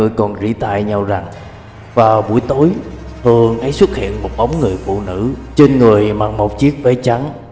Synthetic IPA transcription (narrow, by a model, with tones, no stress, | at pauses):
ɨ˧jkɔ˨˩nzḭ˧˥t̪a̰ː˧˨jɲa˧wza˨˩ŋ | vaː˨˩wɓu˧˩əjt̪o˨˦jt̪ʰɨ˨˩əŋhə˨˦jswə˦˥t̚hḭ˧˨ənmo˨˩t̚ɓa˨˦wŋ͡mŋɨ˨˩əjfṵ˧˨nɨ̰˧˥t͡ɕe˧nŋɨ˨˩əjmaː˨˩ŋmo˨˩t̚t͡ɕi˦˥ək̚ve˧˦t͡ɕa˨˦ŋ